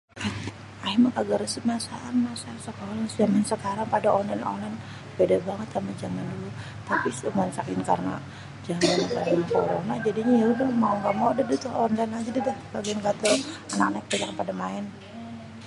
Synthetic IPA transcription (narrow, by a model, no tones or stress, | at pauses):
a | amakaɡəɾsəmasaʔanmasasəkolad͡ʒamansəkaɾaŋpadaʔɔnlanɔ̰nlan | bedabaŋət̪amad͡ʒamandulu | t̪apisumansakɪnka̰rna̰ | d͡ʒamankanaŋko̰ɾo̰nad͡ʒadiɲajaudahmauŋɡaʔmodadut̪ʊhɔnlanad͡ʒadidahbaɡiankat̪ɔana̰k̚naɪk̚pad͡ʒakpadamaɪn